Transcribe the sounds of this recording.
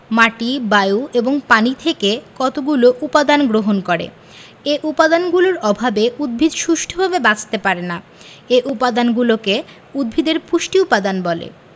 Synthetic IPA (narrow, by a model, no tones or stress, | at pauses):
maʈibajueboŋpanit̪ʰekekɔt̪oɡuloʔupad̪anɡɾoɦonkɔɾḛ | eʔupad̪anɡuloɾɔbʱabeʔud̪̚bʱid̪ʃuʃʈʰobʱabebat͡ɕʰt̪epaɾena | eʔupad̪anɡuloke | ud̪̚bʱid̪eɾpuʃʈiupad̪anbɔlḛ